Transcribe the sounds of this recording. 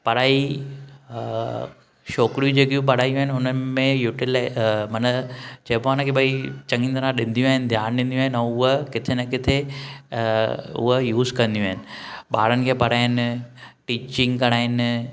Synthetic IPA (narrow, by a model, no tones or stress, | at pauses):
pɐɽaːi | ʃoːkɾijũd͡ʑeːkijũp̬ɐɽ̤aːijũaɦɪnʊnənɪmẽjuːʈilamɐnət͡ɕɐːpoaːnakʰeɓɐit͡ɕɐ̃ŋind̪ɐɾãɗɪ̃nd̪ijũaːɦɪnɪd̪ʱjaːnɗɪ̃n̆d̪ij̃aːɦɪnɛ̃ːʊɦəkɪt̪ʰenakɪt̪ʰe | ʊ̰əjuːzkɐ̃nd̪iũaːɦɪnɪ̆ɓaːɾənɪ̆kʰeːpɐɽ̤aːɪnɪʈiːt͡ɕɪ̃ŋɡkɐɽ̃aːɦɪnɪ